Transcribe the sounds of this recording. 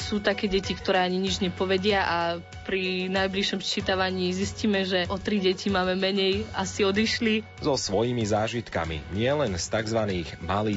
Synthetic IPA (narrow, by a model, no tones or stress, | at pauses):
suːt̪akɛːɟɛcikt̪ɔɾɛːaɲiɲid͡ʒɲɛpɔʋɛɟɪaʔa | pɾinajbliʃɔmst͡ʃit̪aʋaɲiːzisciːmɛʒɛʔɔt̪ɾiɟɛcimaːmɛmɛɲɛjasiɔd̪iʃli | zɔsʋɔjimizaːʒit̪ka̰mḭɲɪɛlɛnst̪aɡzʋaniːɣmaliː